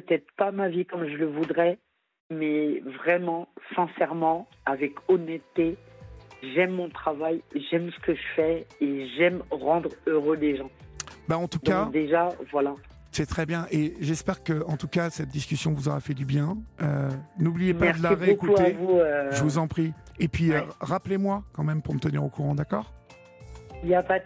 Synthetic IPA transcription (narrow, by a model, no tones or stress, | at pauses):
pət̪ɛt̪χpamavikɔmʒələvud̪ʁɛ | mɛvʁɛmɑ̃sɛ̃sɛʁmɑ̃ | avɛkɔnɛt̪ːe | ʒɛmːɔ̃t̪χavajʒɛmsə̥kəʒəfɛeʒɛmʁɑ̃d̪ʁøʁøleʒɑ̃baɑ̃t̪ud̪kad̪eʒavwala | sɛt̪χɛbjɛ̃ʔeʒɛspɛʁkəɑ̃t̪ukasɛt̪̚d̪iskʲysjɔ̃vuzɔʁafɛd̪ybjɛ̃ønublijempaɛɛʁdəlaʁeokutuaevuøʒʒəvuzɑ̃pχiepɥiøʁaplemwakɑ̃mɛmpuʁmət̪əniʁokuʁɑ̃d̪akɔːʁ | iljapa